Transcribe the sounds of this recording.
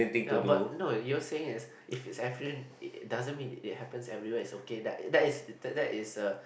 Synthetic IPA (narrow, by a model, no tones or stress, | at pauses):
ẽnt̪ĩŋnbatnojɔseɪ̃ŋɪs | ʔɪfɪtsɛvɹiĩn̚dazə̃nmĩnɪt̚hɛpə̃nsɛ̰vɹiwɛɪtsokedɛ̰tdɛtɪstədɛtɪsə